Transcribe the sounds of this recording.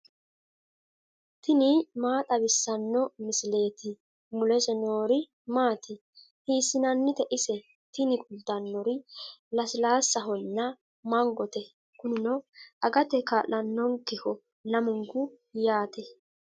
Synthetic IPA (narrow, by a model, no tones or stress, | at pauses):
t̪ɪnɪmaːt̪ʼɐbɪsːɐnːɔmɪsɪle̞ːt̪ɪ | mʊlɛʃɛnoːɾɪ | maːt̪ʰɪ | hiːsːɪnɐnːɪt̪ɛʔɪsɛ | t̪ɪnɪkʼʊlt̪ːɐnːɔɾɪlɐsɪlaːsːɐɦɔnːɐ | mɐŋɡɔt̪ɛ | kʊnɪnɔʔɐɡɐt̪ɛkɐlɐnːɔŋkɪhɔ | nɐmʊŋɡʊ | jaːt̪ɛ